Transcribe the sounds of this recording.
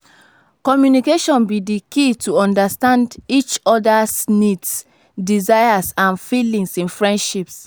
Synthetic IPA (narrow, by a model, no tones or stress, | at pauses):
kɔmjunikeʃɔ̃nbidikituɔ̃ndastãndit͡ʃɔdasnids | dizajasãnfilĩŋsĩnfɹɛ̃ndʃips